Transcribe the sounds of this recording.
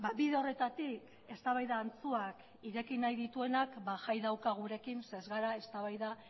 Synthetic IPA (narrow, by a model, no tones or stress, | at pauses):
baβiðeo̞re̞t̪at̪ik | e̞st̪aβajðaːnt͡suak | iɾe̞kinajðit̪ue̞nakbaʝajðawkaɣ̞uɾe̞kinsezɣaɾae̞st̪aβ̞ajða